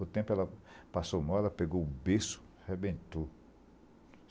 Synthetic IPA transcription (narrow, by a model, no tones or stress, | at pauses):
ʊt̪ẽpʊɛlɐpasowmɔd̪ɐpeɡoʊbesʊ̥ | hebẽt̪o